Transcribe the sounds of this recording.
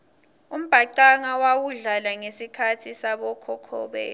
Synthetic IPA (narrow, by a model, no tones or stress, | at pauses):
um̩b̥ʱaǃaŋawawuɮalaŋesikʰatʰisaɓɔkʰɔkʰɔ̰ɓɛ̰ː